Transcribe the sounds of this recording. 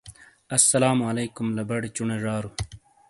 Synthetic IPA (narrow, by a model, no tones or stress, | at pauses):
ɐsːɐlaːmɐleːkumlɐbɐɽt͡ɕuɳeʐaːɾu